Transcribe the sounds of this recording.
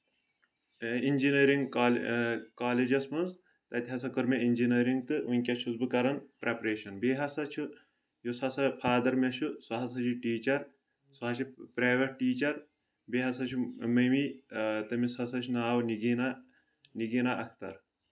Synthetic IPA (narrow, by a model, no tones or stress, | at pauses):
inʲd͡ʒinɐːɾiŋɡalkaːled͡ʒɐsmɐnz | t̪ɐt̪ʲɦɐsɐkɔɾmeinʲd͡ʒinɐːɾiŋɡt̪ɨunʲkʲɐt͡ʃʰuzbɨkɐɾɐnpɾepɾeːʃɐnbeːɦɐsɐt͡ʃʰu | josɐsɐpʰaːd̪ɐɾmʲɐt͡ʃʰusɐɦɐs̬ɐt͡ʃʰuʈiːt͡ʃɐɾ | sɐɦɐt͡ʃʰipɾaːʋɐʈ̚ʈːiːt͡ʃɐɾ | beːɦɐsɐt͡ʃʰumɐmit̪ɐmisɐsɐt͡ʃʰunaːwniɡina | niɡinaʔɐkʰt̪ɐ̰ɾ